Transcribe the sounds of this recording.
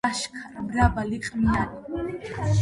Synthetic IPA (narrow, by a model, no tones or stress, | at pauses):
aʃkʰaɾmɾabaliqʼmiani